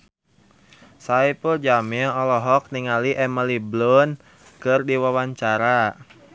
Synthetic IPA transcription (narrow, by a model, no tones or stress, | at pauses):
saipəld͡ʒamiɔlɔɦɔk̚niŋaliʔɛməliblɔn | kɨrdiwawaɲt͡ʃaɾa